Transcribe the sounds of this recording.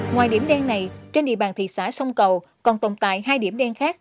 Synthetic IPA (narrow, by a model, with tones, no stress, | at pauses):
ŋwaː˨˩jɗi˧˩əmɗɛ˧nːa˨˩jt͡ɕe˧nɗḭ˧˨əɓaː˨˩nt̪ʰḭ˧˨saː˧˥sə˧wŋ͡mkə˨˩w | kɔ˨˩nt̪o˨˩nt̪a̰ː˧˨jɦaː˧jɗi˧˩əɗɛ˧nxaː˦˥k̚